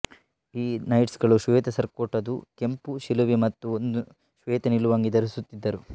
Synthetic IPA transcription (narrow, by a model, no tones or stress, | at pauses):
iːnɐjʈsɡɐɭuʃʋeːt̪ɐsɐɾkoːʈɐd̪uke̞mpuʃiluʋimɐt̪ːuond̪u | ʃʋeːt̪ɐniluʋaːŋɡid̪ɐɾusut̪ːid̪ːɐɾu